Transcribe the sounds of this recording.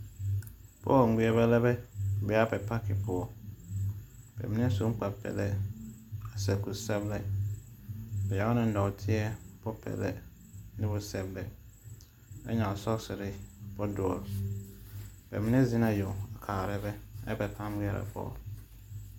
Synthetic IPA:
pʰɔ̰˦˨ŋ̩˨ɡʷu˦ɛ˦bɛ˦lɛ˦bɛ˦˨bɛ˨˦a˦pɛ˨pʰa˦kɪ˨pʰʊ˨ɔ˨ | b̥ɛ̰˨mĩ˦ɪ̃˦sũ˨˦m˦k͡pa˨pʰɛ̰˨lɛ˦ | a˨sɛ˨ku˨sɛ˦blɛ˦ | bɛ˨ja˨˦nɪ̃˨n̩˦dɔ˨tʰɪ˦ɛ˦bɔ˦pʰɛ̰˨lɛ̰˦ | nɪ̃˦bʊ˨sɛ˨blɛ˨ | ɛ˦ɲã˨ɔ˨sɔ˦ksɪ˨ɾɪ˦bɔ˦dʊ˨ɔ̰˨ | b̥ɛ̰˨mĩ˦nɪ̃˦zĩ˦nã˨jo˨a˨kʰaː˨ɾɛ˦bɛ˦ɛ̰˦pɛ˨pʰã˦ŋ˦ɡi˦ɛ˦˨ɾɛ̰˨pʰɔ̰ː˦˨

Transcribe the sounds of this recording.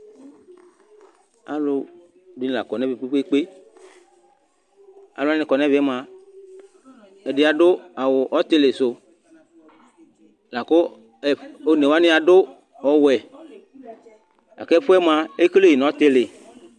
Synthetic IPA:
a̰˨lo˦˨ | di˨˦n˨la̰˨kɔ˨nɛ̃˦ve˨k͡pi˦k͡pe˦k͡pe˦ | a̰˨lo˦a˦nẽ˨kɔ˨nɛ̃˦vɛ˦mã˨ | e˨de˨a˨ɖʊ˦a˨wo˨ʔɔ˦t̪e˦le˨so˨ | la˨ko˦˨ | o˨˦ne˨wa˦nɪ̃˦a˨ɖʊ˦ | ɔ˨wɛ˨ | a̰˨kɛ˦ɸʊ˦ɛ˦m˦a˨e˦kle˦ji˨nɔ̃˨˦t̪e˦le˨

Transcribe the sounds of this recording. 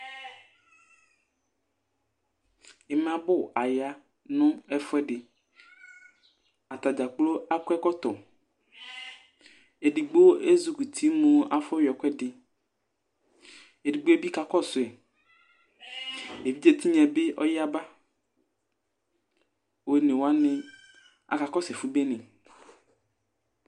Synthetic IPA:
e˨m˨ã˨bʊ˦a˨ja˦ | nʊ̃˦ɛ˦fʊ˦ɛ˦ɖɪ˨ | a˨t̪a˨d͡ʒa˨k͡plo˦a˦kɛ˦kɔ˦t̪ɔ˨ | e˨ɖi˨ɡ͡bo˦e˦zu˨ku˨t̪ʰi˦mõ˨a˨fɔ˦wjɔ˨kʷɛ˦ɖɪ˨ | e˨di˨ɡ͡bo˦e˦bi˦ka˦kɔ˦sʊ˨ɛ˨ | e˨vi˦d͡ʒe˦t̪i˦ɲɛ̃˨be˦ʔɔ̰˦ja˦ba˦ | we˨nẽ˨wo˨˦a˦ne˨ | a̰˨ka˨kɔ˦sɛ˨fu˦be˦nẽ˨

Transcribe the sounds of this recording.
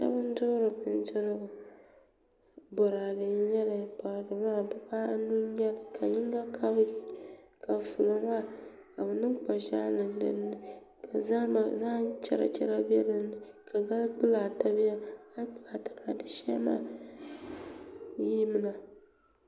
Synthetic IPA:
sa̰˦bɨ˦n˦dʊ˦ɾɨ˨bɨ˨n˦zʊ˦ɾɨ˦ɡʊ˨ | bɔ˨ɾa˨dɨ˨˦ɲɛ˦lɨ˨pa˨ɾdɨ˨maː˦˨bɛ˦paː˦nu˦ɲɛ˦lɨ˨kʰa˨ɲɪ˦ŋɡa˦kʰa˦bi˨ka˨fu˨lo˨ma˦˨ | ka˨bɛ˨nɨ˦mk͡pa˨ʃa˦lɨ˨n˦dɨ̰˦nːɨ˦ | kʰa˨za˦ma˨za˦t͡ʃɛ̰˦ɾa̰˨t͡ʃɛ˦ɾa˦bɛ˦lɨ˨nɨ˨ka˨ɡa˦lk͡pɨ˦la˨ta˨bɪ˦ja˦a˦k͡pɨ˦la˨tḁ˨m˦a˨dɨ˦ʃɛ˦ma̰ː˦ | ji˦mɨ˦˨na˨

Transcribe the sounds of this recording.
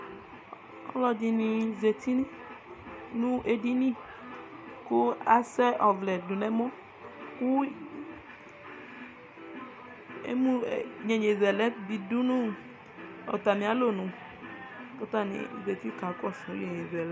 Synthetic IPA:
ɔ̰˦lɔ˨d͡ʒi˨nĩ˨ze˨t̪i˦nɛ˦ | nũ˦ʔe˨di˦nĩ˦˨ | ku˦a˨sɛ˦ʔɔ˨vlɛ˨du˨nɛ˦mɔ˦ | ku˦ | ḛ˦mũ˦˨ɲɛ˨ɲe˨vɛ˨lɛ˦bi˨du˦nũ˦ | ɔ̰˨t̪a˨mĩ˨a˨˦lo˦nũ˨ | kɔ˦t̪a˦nḭ˨ze˨t̪i˦kã˨kɔ˦˨sũ˨˦e˨ɲe˨vɛ˨l

